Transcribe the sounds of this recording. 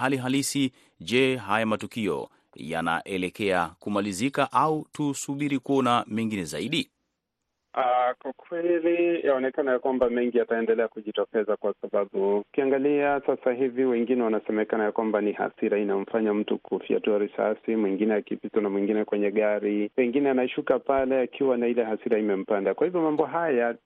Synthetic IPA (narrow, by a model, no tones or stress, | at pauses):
haliɦalisi | d͡ʒɛɦajamatukiɔ̰ | ja̰na̰ʔɛlɛkɛakumalizikaʔautusuɓiɾikuɔnamɛŋɡinɛza̰iɗi | akwakwɛlijaɔnɛkanajakwambamɛŋɡijataɛndɛlɛakuʄitɔkɛzakwasaɓaɓuukiaŋɡaliasasaɦiviwɛŋɡinɛwanasɛmɛkanajakwambaniha̰siɾainam̩faɲam̩tukʰufia̰tuaɾisa̰simwiŋɡinɛakipitɔnamwiŋɡinɛkwɛɲɛɠaɾipɛŋɡinɛanaʃukapalɛakʰiwanailɛɦasiɾaimɛm̩pandakwahivjɔmambɔɦaja